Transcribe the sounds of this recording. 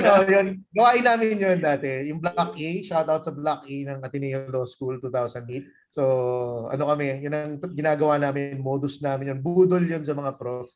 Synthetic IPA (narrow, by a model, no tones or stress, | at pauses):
ɐnojonɡɐwaːʔɪnːaːmɪnjond̪aːt̪ɛjʊŋblak̚ʔejʃawt̪awt̪̚sɐblak̚ʔejnɐŋʔɐt̪ɪnɛjoloskult̪uːt̪awsɐnd̪et̪̚ | so̞ʔɐ̰no̞kɐmɛjʊnɐŋɡɪnaːɡɐwaːnaːmɪnŋmoːd̪osnaːmɪnjonbuːd̪oljonsɐmɐŋapɾof